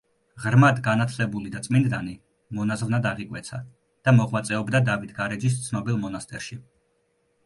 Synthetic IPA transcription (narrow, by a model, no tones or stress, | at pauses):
ʁɾmad̪ɡanat̪ʰlɛbulid̪at̪sʼmind̪d̪ani | mɔnazvnad̪aʁikʼwɛ̰t̪sʰa | d̪̥amɔʁwat̪sʼɛɔbd̪ad̪avit̪ʰɡaɾɛd͡ʒis̬t̪sʰnɔbilˠmɔnast̪ʼɛɾʃi